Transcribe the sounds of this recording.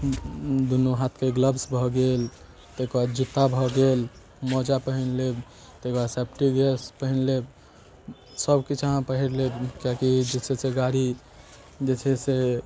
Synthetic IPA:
d̪unuɦat̪ʰkeɡləbsbʱɔɡel | t̪ekbad͡ʒut̪ːabʱɔɡel | mɔd͡ʒapəɦinleb | t̪ekbasɛp̚ʰʈiɡespəɦinleb | səbkit͡ʃʰəɦãpəɦiɾlebkjakid͡ʒet͡ʃʰɛseɡaɾi | d͡ʒet͡ʃʰɛse

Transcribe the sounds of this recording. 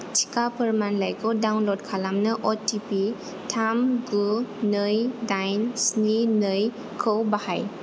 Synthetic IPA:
t͡ʃʰi̥kapəɾmanlajkʰɔdawnlɔd̚kʰalamnɯʔɔtipi | tʰamɡunɯjdajnsninɯj | kʰɯwbahaj

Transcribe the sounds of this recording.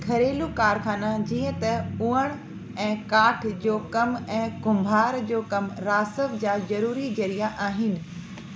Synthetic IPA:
kʰɐɾeːlukaːɾkʰaːnad͡ʑĩːə̃t̪ɐuːəɽ̃ | ɛ̃ːkaːʈʰd͡ʑoːkɐmɛ̃ːɡʊ̃mbʱaːɾd͡ʑoːkɐmɾaːsəʋd͡ʑaːzɐɾuːɾid͡ʑɐɾijaʔaːɦɪnɪ̆

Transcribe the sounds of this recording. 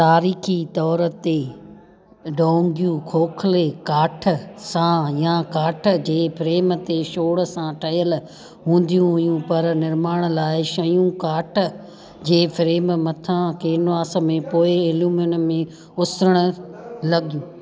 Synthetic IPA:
t̪aːɾiːxit̪ɔːɾə̆t̪e | ɖoːŋɡjũkʰoːkʰlekaːʈʰə̆sãjãkaːʈ̆ʰd͡ʑeːfɾeːmət̪eʃoːɽsãʈʰɐɦijəl | ɦũːn̆d̪ijũɦʊjũpɐɾnɪɾmaːɽ̃laːɪʃɐjũkaːʈʰə̆ | d͡ʑeːfɾeːmmɐt̪ʰãkeːnʋaːsə̆mẽpoːɪɪluːmənmẽ | ʊsɾəɽ̃ʊlɐɡijũː

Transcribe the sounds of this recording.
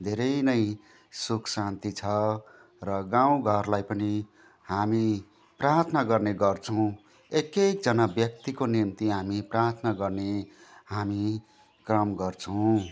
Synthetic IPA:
d̪ʱeɾʌjnʌj | sukʰsãnt̪it͡sʰʌ | rʌɡãw̃ɡʱʌrlajpʌni | hami | prart̪ʰnʌɡʌrneɡʌrt͡sʰʌ̃w̃ | ekek̚d͡zʌnabjʌk̚t̪ikonimt̪iɦamiprart̪ʰnaɡʌrnehami | krʌmɡʌrt͡sʰʌw̃

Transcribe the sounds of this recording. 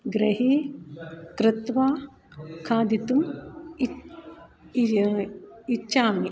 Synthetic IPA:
ɡɾɐɦiː | kɾɪt̪ʋaː | kʰaːd̪it̪um | it͡ʃːʃaːmi

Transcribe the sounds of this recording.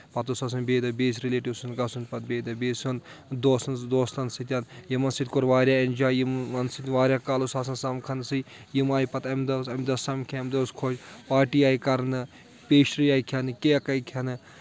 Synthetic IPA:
pɐt̪usaːs̬ɐnbeːd̪ɐbeːsʲɾileːʈiwsunɡɐsunpɐt̪̚beːd̪ɐbeːsʲund̪oːsnd̪oːslɐnsit̪̬ʲjanjimɐnsit̪ʲkoɾʋaːɾʲjaːenʲd͡ʒaːjimːɐnsit̪ʋaːɾʲjaːkaːlosaːs̬ɐnsɐmkʰɐnsɨj | jimaːjpɐt̪ɐmd̪ɐsɐmd̪ɐsɐmkʰemd̪ɐskʰot͡ʃpaːʈiːaːjkɐɾnɨ | pʲeːʃɾijaːikʰɐnɨkeɐkɐjkʰɐnɨ

